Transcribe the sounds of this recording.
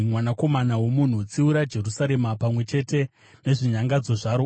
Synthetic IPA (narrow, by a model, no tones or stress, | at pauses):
mwanako̞manawo̞mun̤ut͡siuɾad͡ʒe̞rusaɾe̞mapamwe̞t͡ʃe̞te̞ | ne̞ʐiɲaŋɡad͡zo̞ʐaɾo